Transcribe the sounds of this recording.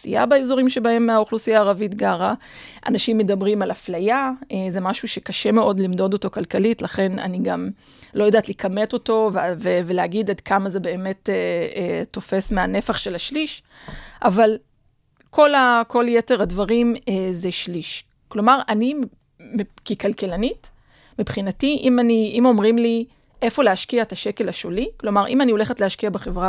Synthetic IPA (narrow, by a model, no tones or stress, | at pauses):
sḭja̰baezo̞ʁimʃebahe̞mːeaoχlusijaːʁavitɡaʁa | ʔa̰naʃimːedabʁimalaflajaeze̞maʃuʃekaʃe̞me̞ʔo̞dlimdo̞do̞to̞kalkalitlaχe̞na̰niɡam | lo̞jodaːtlikʰameto̞to̞vveveleaɡidadkʰamaze̞be̞ːme̞tetːo̞fe̞smeane̞faχʃelaʃliʃ | ʔaval | kʰo̞lako̞ljete̞ʁadvaʁimezeʃliʃ | klo̞maʁani | mekikalkelanit | mipχinatiʔimaniimo̞mʁimli | ʔe̞fo̞leaʃkiaetaʃeke̞laʃoliklo̞maʁʔimanio̞le̞χetlehaʃkiabeχevʁa